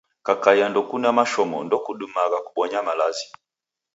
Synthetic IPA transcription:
kakajandɔkunamaʃɔmɔ̰ndɔkuɗumaɣakuɓɔɲamalazi

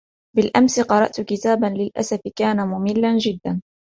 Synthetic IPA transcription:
bɪlʔamsɪqɑɾˤɑ̰ʔt̪kɪt̪aːbanlɪlʔa̰safɪkaːnamʊmɪlːand͡ʒɪd̪ːan

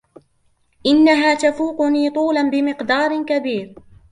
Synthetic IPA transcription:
ʔɪnːaɦaːt̪afuːqʊniːt̪ˤuːlanbɪmɪqd̪ɑːɾˤkabiːɾ

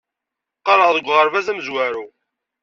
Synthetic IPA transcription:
qɑɾˤəʁðəɡʷːʁəɾvæzæməzwæɾu

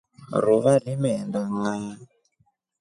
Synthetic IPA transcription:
ɾuʋaɾimɛndaŋaa

